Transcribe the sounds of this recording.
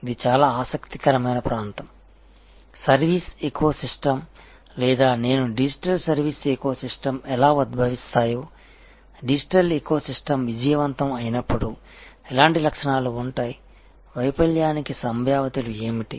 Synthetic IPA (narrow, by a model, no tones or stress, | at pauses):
id̪it͡ʃaːlaːaːsɐkt̪i̥kɐɾɐmɐjnɐpɾaːnt̪ɐm | sɐɾʋiːsekuoːsisʈɐm | lɛːd̪aːne̞ːnuɖid͡ʒiʈɐlsɐɾʋiːsekoɐsisʈɐmɛlaːud̪̚bʱɐʋist̪aːjuː | ɖid͡ʒiʈɐlekoɐsisʈɐmʋid͡ʒɐjɐʋɐnt̪ɐmɐjinɐpːuɽu | ɛlaːɳʈilɐkʂɐɳaːluːɳʈaːji | ʋɐjpɐljaːnikisɐmbʱjaːʋɐt̪ilue̞ːmiʈḭ